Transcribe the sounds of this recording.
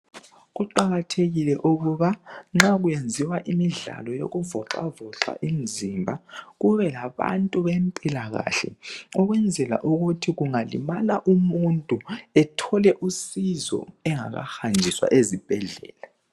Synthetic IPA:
ɣuǃaɣatʰeɣilɛʔuɣuβaŋ͡ǁaɣujend͡zʱiwaʔimiɮa̰lɔjo̰ɣuvɔǁa̰vɔt͡ɬwa̰ʔim̩zimbʱaɣuβɛlaβa̰ntʼuβempʼilaɣa̰ːɬɛ̰ɔɣwɛnd͡zʱɛla̰ʔuɣutʰiɣuŋalḭmalaʔumuntʼuɛtʰɔlɛʔusizɔ̰ɛŋa̰ɣa̰xand͡ʒʱiswa̰ʔezib̥ʱɛɮɛ̰ːla

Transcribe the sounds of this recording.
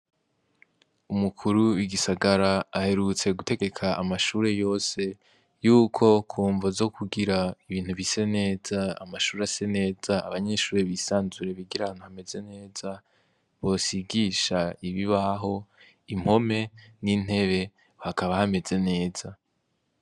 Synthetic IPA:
umukʰuɾuwiɡisaɡaɾaahe̞ɾut͡se̞ɡute̞ɡe̞kʰaʔamaʃuːɾe̞jo̞ːse̞ | juːkʰo̞kʰuːɱvozo̞kʰuɡiɾaiβiːn̥huvise̞ne̞ːza̰ːmaʃuːɾease̞ne̞ːzaːβaɲe̞ʃuːɾeβisaːnzuɾe̞βiɡiɾahaːn̥huhame̞ze̞ne̞ːza | βo̞siɡiʃaiβiβaɦo̞ | im̥ho̞me̞nin̥e̞βe̞ | hakaβahame̞ze̞ne̞ːz̥a

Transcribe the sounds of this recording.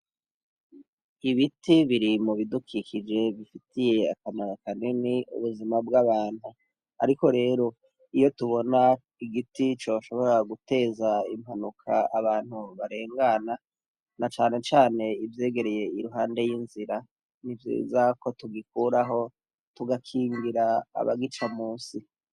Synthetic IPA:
iβitʰiβiɾimuβidukʰikʰid͡ʒe̞βifitije̞a̰kamaɾakaneniṵβuzimabɡaβaːn̥hu | a̰ɾiko̞ɾe̞ːɾo̞ | ijo̞tuβo̞na | iɡitit͡ʃo̞ːʃo̞βo̞ɾaɡute̞ːzaim̥hanukʰaaβaːnhuβaɾe̞ːŋɡana | nat͡ʃaːne̞t͡ʃaːne̞ivje̞ːɡe̞ɾe̞je̞iɾuɦaːnde̞jinziɾa | nivjḭːzako̞tuɡikuːɾaɦo̞ | tuɡakʰiːŋɡiɾa̰ːβa̰ɡit͡ʃamuːnsi

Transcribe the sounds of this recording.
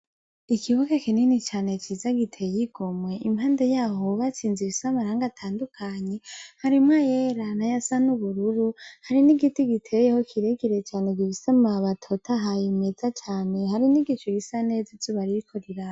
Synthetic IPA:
ikʰiβukekininit͡ʃaːne̞t͡ʃiːzaɡitʰe̞jiɡ̥omweʔimhaːndejaːho̞βat͡siːnziβisamaɾaːŋɡatʰaːndukʰaɲe̞haɾimŋajeɾanajasanuβuɾuɾuhaɾiniɡitiɡitʰejehokʰiɾeɡiɾe̞t͡ʃaːne̞ɡiβisamaβatʰo̞tʰaɦajimezat͡ʃaːne̞ɦaɾiniɡit͡ʃuɡisane̞ːzat͡ʃoβaɾiikʰoɾiɾa

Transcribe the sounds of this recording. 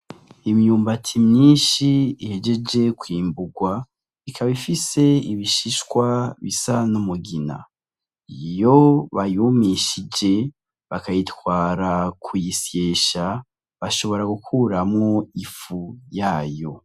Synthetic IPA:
imjuːmbatʰimɲiːnʃiihe̞d͡ʒe̞d͡ʒe̞kwiːmbuɡwa | ikʰaβifise̞iβiʃiʃkwaβisanumuɡina̰ | ijo̞βajumiʃid͡ʒe̞ | βakajitwaːɾakʰujisje̞ːʃa | βaʃo̞βo̞ɾaɡukʰuːɾamŋo̞ifujaːjo̞

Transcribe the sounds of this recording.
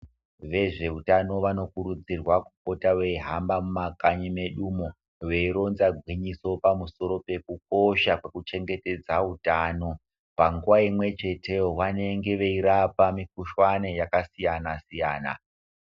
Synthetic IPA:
ʋe̞ʐe̞utano̞ʋano̞kuɾud͡zirwaku̥k̚o̞tawe̞ɦambamumakaɲime̞ɗumo | we̞iɾo̞nzaɡʱwiɲiso̞pamuso̞ɾo̞pe̞kuk̚o̞ʃakwe̞kut͡ʃe̞ŋɡe̞te̞d͡zautano̞ | paŋɡuwaimwe̞t͡ʃe̞tʰe̞wane̞ŋɡe̞ʋe̞iɾapamik̚uʃwanejakasijanasijaːna̰

